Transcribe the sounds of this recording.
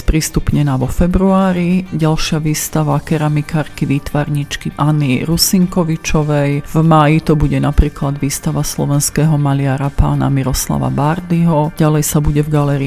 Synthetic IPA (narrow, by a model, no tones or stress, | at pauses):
spɾiːst̪upɲɛnaːʋɔfɛbɾuaːɾiɟalʃɪaʋiːst̪aʋakɛɾamikʰaːɾkiʋiːt̪ʋaɾɲit͡ʃkiʔaniɾusiŋkɔʋit͡ʃɔʋɛjvmaːjit̪ɔbuɟɛnapɾiːklad̪ʋiːst̪aʋaslɔ̰ʋɛnskɛːɦɔmaliaɾapa̰ːna̰miɾɔsla̰ʋa̰baɾd̪iɦɔɟalɛjsabuɟɛvɡalɛɾi